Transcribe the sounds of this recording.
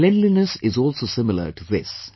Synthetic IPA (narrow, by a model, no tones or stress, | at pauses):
lɛ̃nɖlinəsɪzɔːlsoːsɪ̃mɪlə̰ɾʈuðɪs